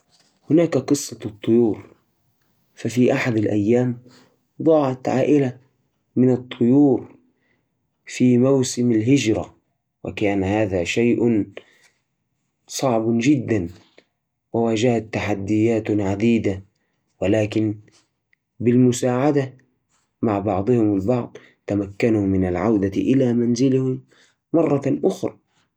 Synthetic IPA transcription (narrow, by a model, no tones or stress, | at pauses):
hʊnaːkaqɨsˤːɑt̪ˤːʊjuːɾ | fafiːʔaħad̪alʔa̰jːaːm | d̪ˤɑːʕɑt̪ʕa̰ːʔɪla | mɪnɨt̪ˤʰːʊjuːɾ | fiːmawsɪmalɦɪd͡ʒɾa | wa̰kaːnhaːðaːʃajʔn | sˤɑʕbd͡ʒɪd̪ːan | wawaːd͡ʒahat̪ːaħad̪ːɪjːaːt̪ʕad̪iːd̪a | walaːkɪn | bɪlmʊsaːʕad̪a | maʕbɑʕd̪ˤɨhɪmalbɑʕd̪ˤ | t̪amakːanumɪnalʕawd̪aʔɪlaːmanzɪlhɪmː | ɑrˤːɑʔʊxɾˤɑ̰